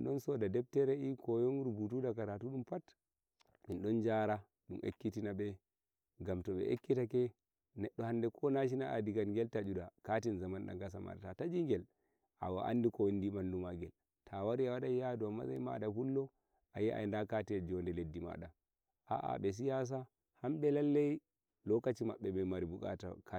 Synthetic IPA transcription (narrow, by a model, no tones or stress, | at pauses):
nɗɔnsɔdadɛb̚tɛɾɛikɔjɔnɾubutudakaɾatuɗumpat | minɗɔnd͡ʒaɾa | ɗumʔḛkːitinabɛ | ɡamtɔɓɛ̰ʔekːitakɛ | nɛɗːɔhandɛkʰɔnaʃ̬inaʔadiɡanŋɡɛltad͡ʒudakatinzamanɗa̰ŋɡas̬ama̰ɗatatad͡ʒiŋɡɛl | ʔa̰wa̰ʔa̰ndikɔwndimandumaɡɛl | tʰawaɾiawaɗajjaduama̰za̰jma̰ɗafulːɔ | ajɛʔa̰jndakatid͡ʒɔndɛledːima̰ɗa | ʔa̰ʔa̰ɓɛs̬ijas̬a | hamɓɛlalːej | lɔkat͡ʃima̰ɓːɛbɛmaɾibukʼa̰ta̰kʰa